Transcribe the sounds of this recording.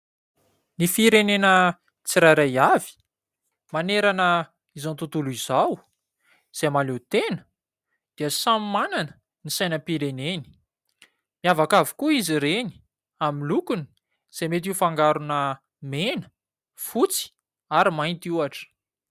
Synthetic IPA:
nifiɾenenə | t͡siɾaɾajavi̥ | maneɾanə | izant̪ut̪uluizaw | z̥emalet̪enə̥ | d̪̥iəsammananə̥ | nisajnəpiɾeneni̥ | miavakavi̥kuiziɾeni̥ | aminlukuni̥ | z̥emet̪̬iufaŋɡaɾunə | menə̥ | fut͡si̥ | aɾimajnt̪iuaʈ͡ʂə̥

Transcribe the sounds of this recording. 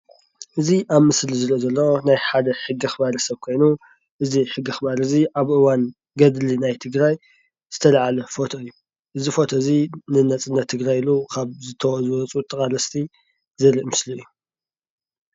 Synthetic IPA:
ʔɨziʔaβmɨslizɨɾʔzɐlːɐwonajħad̪ɐħɨɡːixɨbaɾɐsɐβkʰo̞jnu | ʔɨziħɨɡːɨxɨbaɾɨziʔaβʔɨwan | ɡɐd̪linajt̪ʰɨɡɾaj | z̥ɨt̪ʰɐlaʕalɐfo̞t̪ʰɐɨjːu | ʔɨzifo̞t̪ʰɐɨzinɨnɐt͡sʼɨnːɐt̪ʰːɨɡɾajilukʰaβzɨt̪ʰɐwzɨwɐt͡sʼut̪ʼɐkʼalɐst̪ʰi | zɨɾiʔmɨsliɨjːu

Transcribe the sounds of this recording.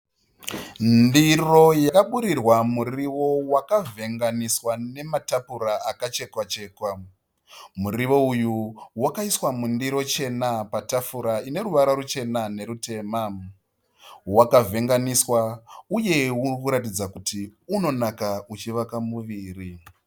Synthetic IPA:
ndiro̞jakaɓuɾirwamuriʋo̞wakavʱe̞ŋɡaniswane̞matapuɾaakat͡ʃe̞kwat͡ʃe̞ːkwa | muriʋo̞ujuwakaiswamundiɾo̞t͡ʃe̞napatafuɾaine̞ɾuʋaɾaɾut͡ʃe̞nane̞ɾute̞ːma | wakavʱe̞ŋɡaniswauje̞ukuɾatid͡zakutiuno̞nakaut͡ʃiʋakamuʋiːri

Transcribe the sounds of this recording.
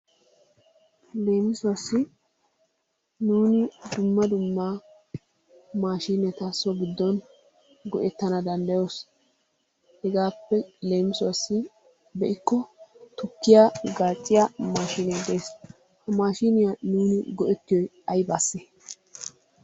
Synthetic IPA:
le̞ːmɪsʊwɐsːɪ | nuːnɪd̪ʊmːɐd̪ʊmːaː | maːʃiːnɛt̪ɐsːɔɡɪd̪ːɔn | ɡɔʔɛt̪ːɐnɐd̪ɐnd̪ɐjoːs | hɛɡaːpːɛle̞ːmɪsʊwɐsːɪ | bɛʔɪkːɔt̪ʊkːɪjaɡaːt͡ʃʼːɪjamaːʃiːnɛd̪eːs | hɐmaːʃinɪjanuːnɪɡɔʔɛt̪ːɪjɔj | ɐjbaːsːe

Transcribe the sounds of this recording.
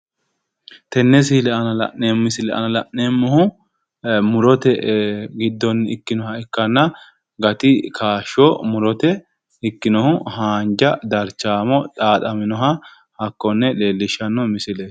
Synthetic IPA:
t̪ɛnːɛs̬ɪlɛʔɐnɐlɐ̰ʔemːɪsɪlɛʔɐ̰nɐlɐʔnemːɔhʊ | mʊɾɔt̪ɛɡɪd̪ːɔnɪ̰kːɪnɔhɐɪkːɐnːɐ | ɡɐt̪ɪkʰaːʃɔmʊɾɔt̪ɛ | ɪkːɪnɔhʊhaːnd͡ʒɐd̪ɐɾt͡ʃːaːmɔᶑʼaːt̪ʼɐmɪnɔɦɐ | hɐkːɔnːɛle̞ːlːɪʃɐnːɔmɪsɪleːs

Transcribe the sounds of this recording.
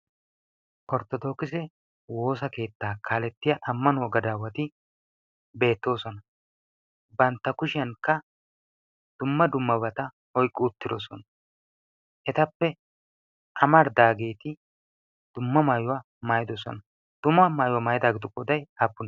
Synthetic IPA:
kɔɾt̪ːɔd̪o̞ːkɪs̬ɛ | wo̞ːs̬ɐke̞ːt̪ːaːkʰaːlɛt̪ːɪjɐʔɐmːɐnwɔɡɐd̪aːwɐt̪ɪ | be̞ːt̪ːo̞ːsɔnɐ | bɐnt̪ːɐkʊʃɪɐnkːɐ | d̪̥ʊmːɐd̪ʊmːɐbɐt̪ɐ | hɔjkʼːɪʊt̪ːɪd̪ɔsɔnɐ | ʔɛt̪ɐpːɛ | ʔɐmɐɾd̪aːɡe̞ːt̪ɪ | d̪̥ʊmːɐmaːjʊwɐ | maːjɪd̪ɔsɔ̰nɐ | d̪̥ʊmːɐmaːjʊwɐmaːjɪd̪aːɡɪd̪ʊkʼɔd̪ɐjɐbːʊn

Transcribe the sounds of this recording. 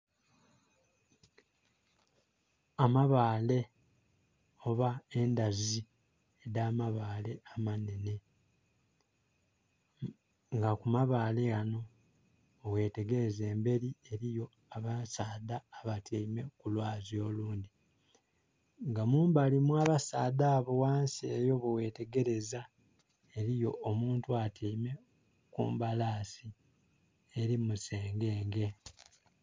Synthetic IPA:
amaβaːle̞ | oβae̞ndazi | edaːmaβaːle̞amanene̞ | ŋɡakumaβaːle̞ano̞ː | we̞ːte̞ɡe̞ze̞ːmbe̞ɾie̞ɾijo̞ | aβasaːdaːβatʰeime̞kulwaːzjo̞ːluːnd̪i | ŋɡamuːmbalimwaːβasaːdaːβowaːnseːjo̞βewe̞ːte̞ɡe̞ɾe̞za | e̞ɾijo̞ʔːmuːntuatʰeime̞ | kṵːmbalaːsi | eɾimuse̞ːŋɡe̞ːŋɡe̞

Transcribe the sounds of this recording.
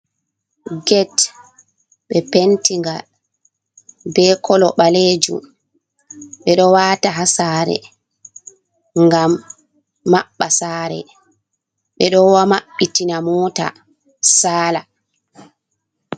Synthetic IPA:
ɡɛt | ɓɛpentiŋɡal | bɛkʰɔlɔɓaleːd͡ʒṵm | ɓɛɗɔwaːtaɦasaːɾɛ̰ | ŋɡam | maɓːasaːɾɛ̰ | ɓɛɗɔwamaɓːitinamɔːta̰ | saːla

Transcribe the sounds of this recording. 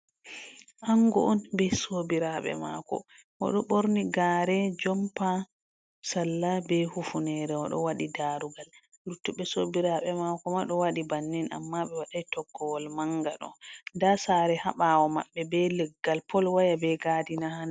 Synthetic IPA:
ʔaŋɡɔʔɔnbɛsobiɾaɓɛ̰ma̰kɔ̰ | ʔɔ̰ɗɔɓoɾniɡaːɾɛd͡ʒɔmpa | salːabɛhufunɛɾɛɔɗɔ̰waɗidaɾuɡal | lutːuɓɛsobiɾaɓɛmakɔmaɗɔwaɗibanːina̰mːaɓɛwaɗajtɔkːɔwɔlmaŋɡaɗɔ̰ndasaɾɛhaɓawɔma̰ɓːɛbɛlɛɡːalpʰɔlwajabɛɡadinahan

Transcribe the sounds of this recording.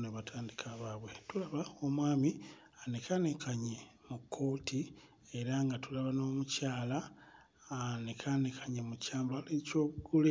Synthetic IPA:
neβatʰaːndikʰaβaβwe̞tulaβao̞mwaːmi | anekʰanekaɲe̞ | mukʰːo̞ːtʰi | eɾaŋɡatulaβano̞ːmucaːla | anekʰanekʰaɲemucaːmbaleco̞ːβuɡule

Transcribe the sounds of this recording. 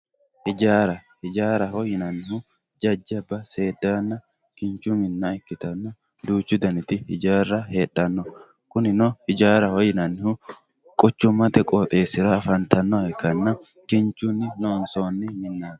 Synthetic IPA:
hɪd͡ʒaːɾɐhɪd͡ʒaːɾɐhɔjɪnɐnːɪhʊ | d͡ʒɐd͡ʒːɪɐbːɐse̞ːd̪ːaːnːɐ | kɪnt͡ʃːumɪnːɐɪkːɪt̪ɐnːɐ | d̪uːt͡ʃːʊd̪ɐnɪt̪ɪhɪd͡ʒaːrːɐheːᶑɐnːɔ | kʊnɪnɔhɪd͡ʒaːɾɐhɔjɪnɐnːɪhʊ | kʼɔt͡ʃːʊmːɐt̪ɛkʼoːt̪ʼe̞ːsɪɾɐːfɐnt̪ɐnːɔɛkːɐnːɐ | kɪnt͡ʃːunːɪnoːnsoːnːɪmɪnːaːd̪

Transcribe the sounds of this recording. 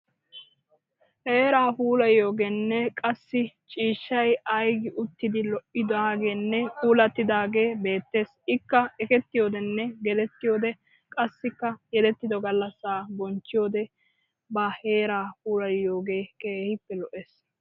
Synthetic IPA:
heːɾaːpuːlɐjo̞ːɡeːnːɛkʼɐsːɪt͡ʃʼiːʃːɐjɐjɡɪʔʊt̪ːɪd̪ɪlɔʔʔɪd̪aːɡe̞ːnːɛpuːlɐt̪ːɪd̪aːɡeːbe̞ːt̪ːe̞ːsɪkːɐɛkɛt̪ːɪjo̞ːd̪ɛnːɛɡɛd̪ɛt̪ːɪjo̞ːd̪ɛ | kʼɐsːɪkːɐjɛd̪ɛt̪ːɪd̪ɔɡɐlːɐsaːbɔnt͡ʃːɪjo̞ːd̪ɛ | bɐhe̞ːɾaːhuːlɐjːo̞ːɡe̞ːkeːhɪpːɛlɔʔeːs

